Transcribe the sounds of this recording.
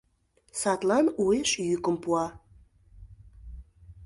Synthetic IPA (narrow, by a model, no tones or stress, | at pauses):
sɑt̪lɑnueʃjykə̆mpuɑ